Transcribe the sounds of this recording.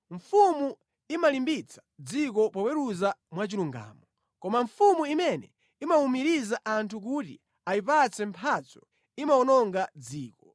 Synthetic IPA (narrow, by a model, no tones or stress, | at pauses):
ɱfumu | imalimbit͡sʰḁd͡zik̬ɔpɔpwɛɾuzamwat͡ʃiluŋɡa̰ːmɔ | kɔmaɱfumuimɛnɛ̰ | imaumiɾizaʔantʰuk̬utḭ | aipat͡sɛmpʰat͡sɔ̥ | imaɔnɔŋɡad͡ziːkɔ